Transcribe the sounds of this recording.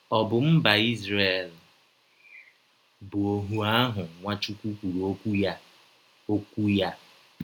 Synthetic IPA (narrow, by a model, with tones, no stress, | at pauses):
ɔ˨bʊ˨m̩˦ba˨i˦zɾe˨l | bʊ˨o˨ɦu˨a˦ɦʊ˨ŋʷa˦t͡ʃu˦kʷu˦kʷu˨ɾu˨o˦kʷu˦ja˦ | o˦kʷu˦ja˦